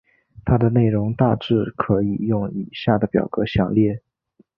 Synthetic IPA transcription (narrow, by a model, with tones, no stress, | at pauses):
t̪ʰa˥d̪ə˨ne˥˩ɪɻʊ˧˥ŋt̪a˥˧ʈ͡ʂɻ̩˥˩kʰɤ˧˥i˨˩jʊ˥˩ŋi˨˩ɕja˥˩d̪ə˩pjɑ̰˨˩ʊɡɤ˧˥ɕjɑ˥˩ŋljɛ˥˩